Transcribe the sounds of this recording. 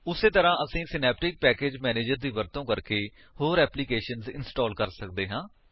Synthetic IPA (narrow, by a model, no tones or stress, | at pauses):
ʊseːt̪əɾãːʔəsĩːsɪnɛːp̚ʈɪk̚pɛːkeːd͡ʒmɛːneːd͡ʒəɾd̪iːʋəɾt̪õːkəɾkeː | hoːɾɛːpliːkeːʃənzɪnsʈɔːlkəɾsək̚d̪eːɦãː